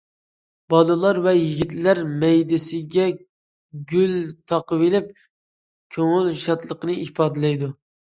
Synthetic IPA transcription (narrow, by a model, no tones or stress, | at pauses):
bɑlˠɨlˠɑɾvɛjiɡʲit̪læɾmɛjd̪ɪsɪɡʲɛ | ɡʲylt̪ʰɑqəvelɪp̚ | kʲʰøŋylʃɑt̪lˠəqənɨipʰɑːd̪ɪlɛjd̪u